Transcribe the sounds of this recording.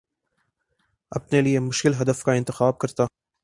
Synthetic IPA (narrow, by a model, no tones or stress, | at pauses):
ɐ̰pnelijemʊʃkɪlɦɐd̪ɐfkaɪ̃nt̪ɪxɑːb̚kɐɾt̪a